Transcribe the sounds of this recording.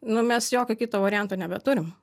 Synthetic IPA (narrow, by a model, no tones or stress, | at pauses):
nʊmʲɛsjoːkʲokʲit̪oːʋɐɾʲɪjɛnt̪oːnʲɛbʲɛt̪ʊɾʲɪm